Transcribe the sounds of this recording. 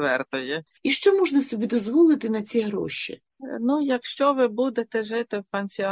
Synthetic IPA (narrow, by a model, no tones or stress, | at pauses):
ʋɛrt̪ɪjɛ | iʃt͡ʃɔmɔʒnɐsɔbʲid̪ɔzʋɔlˠɪt̪ɪnɐt͡sʲiɦɾɔ̰ʃʲḭ | nujɐkʃt͡ʃɔʋɪbud̪et̪ɛʒɪt̪ɪwpenʲsʲi